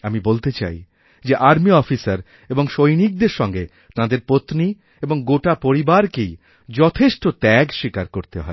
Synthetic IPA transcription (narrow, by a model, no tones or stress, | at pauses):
amibolt̪et͡ɕa̰j | d͡ʑeʔaɾmiɔfisaɾ | eboŋʃojnik̚d̪eɾʃɔŋɡe | t̪ãd̪eɾpot̪ni | eboŋɡoʈapoɾibaɾkej | d͡ʑɔt̪ʰeʃʈot̪ɛɡʃikaɾkoɾt̪eɦɔ̰e